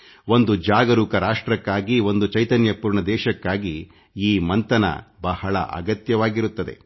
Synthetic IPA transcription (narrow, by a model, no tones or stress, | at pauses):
ʋo̞nd̪ud͡ʒaːɡɐɾuːkɐɾaːʂʈɾɐkːaːɡiʋo̞nd̪ut͡ʃɐjt̪ɐnjɐpuːɾɳɐd̪ɛːʃɐkːaːɡi | iːmɐnt̪ɐnɐ̰bɐhɐɭɐ̰ʔɐ̰ɡɐt̪jɐʋaːɡiɾut̪ːɐd̪e̞̰